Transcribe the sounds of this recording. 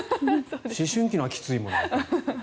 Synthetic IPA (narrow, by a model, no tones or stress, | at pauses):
ɕiɕɨ̃ŋkʲinoakʲi̥t͡sɨimõ̞̰no